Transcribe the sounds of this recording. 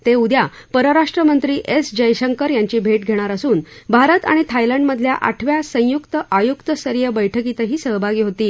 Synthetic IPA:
t̪eud̪ʱjapəɾəɾaʂʈɾəmənt̪ɾiːʔesd͡ʑəjɕəŋkəɾjaɲt͡ɕiːbʱeʈ̚ɡʱeɽ̃aɾasuːn | bʱaɾət̪a̰ɽ̃it̪ʰajləɳɖməd̪ʱlja̰ʔa̰ʈʰʋjasə̃jukt̪əʔajukt̪əsəɾijəbəjʈʰəkit̪əɦiːsəɦbʱaɡiːɦot̪iː

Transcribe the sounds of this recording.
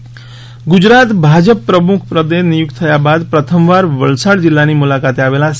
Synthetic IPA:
ɡud͡ʒɾat̪bʱad͡ʒəpːɾəmukʰpɾəd̪enijuk̚t̪t̪ʰəjabad̪pɾət̪ʰəmʋaɾʋəɭsaɽd͡ʒilːanimulakat̪eaʋela

